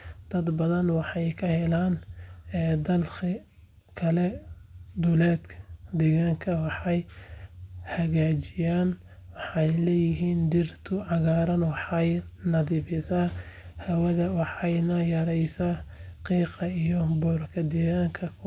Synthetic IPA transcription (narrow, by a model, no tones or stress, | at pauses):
d̪̥ɐd̪bɐðɐnwɑħɑjkʰɐhɛlaːnɛːd̪ɐlkɪ | kʰɐlɛd̪ʊlɛːd̪kʰɐ̥d̪ɛːɣaːŋkʰɐwɑħɑj | hɐɣaːt͡ʃɪjaːn | wɑħɑjlɛːjɪɦiːnd̪ɪrt̪ʰʊʕɑɣaːɾɐnwɑħɑjnɐðiːbɪsaːhɐwɐðɐwɑħɑjnɐjɐɾɛjsaːqiːqɑijɔbɔːrkʰɐd̪ɛːɣaːŋkʰɐ